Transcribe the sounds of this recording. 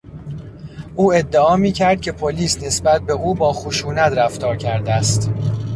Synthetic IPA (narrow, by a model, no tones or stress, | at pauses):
ʔuːe̞d̪ːeɒːmiːcʰæɾd̪̥̚cʰe̞pʰoliːsne̞sbæt̪̚be̞uːbɒːxoʃuːnæt̪ɾæft̪ɒːɾcʰæɾd̪æst̪